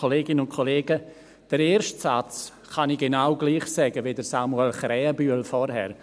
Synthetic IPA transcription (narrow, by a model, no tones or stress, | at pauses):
oleːɡɪnəʊnkʰoleːɡə | d̥əɾeːɾʃtsat͡s | χɑniɡ̥enawɡliːχsɛɡəvidəɾsamuɛlχɾɛːəbyːəlfɔɾɦɛ̰ɾ